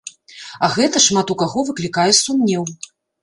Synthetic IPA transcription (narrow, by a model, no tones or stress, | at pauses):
ɐɣɛt̪ɐʂmat̪ukaɣɔvɨklʲikajɛsumʲnʲɛw